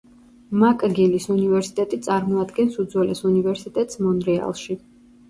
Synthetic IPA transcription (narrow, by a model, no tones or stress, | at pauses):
makʼɡilisunivɛɾsi̥t̪ʼɛt̪ʼit̪sʼaɾmɔad̪ɡɛnsud̪zwɛlɛsunivɛɾsit̪ʼɛt̪ʼsmɔnɾɛa̰lˠʃi